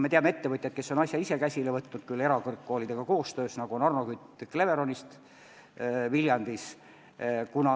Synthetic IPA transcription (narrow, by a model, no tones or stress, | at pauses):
me̞t̪eɑmee̞t̪ːe̞vɤt̪ʲjɑt̪̚ke̞sːo̞nɑsʲjɑise̞kæsʲilevɤt̪ːnud̪̥̚kylːe̞ɾɑkɤrkːo̞ːlʲid̪̥e̞ɡ̥ɑko̞ːst̪ø̞ːsnɑɡuonɑrno̞kyt̪ːˑkle̞ve̞ɾo̞nʲist̪ | viljɑnd̪̥is | kunɑ